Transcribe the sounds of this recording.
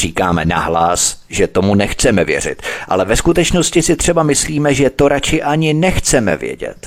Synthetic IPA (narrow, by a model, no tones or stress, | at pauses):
r̥iːkaːmɛna̰ɦlasʒɛt̪o̞munɛxt͡sɛmɛvjɛ̰rɪ̰t̪ʔa̰lɛvɛskut̪ɛt͡ʃno̞scɪsɪt̪r̝̥ɛbamɪsliːmɛʒɛt̪o̞ɾat͡ʃɪʔaɲɪnɛxt͡sɛmɛ̰vjɛ̰ɟɛ̰t̪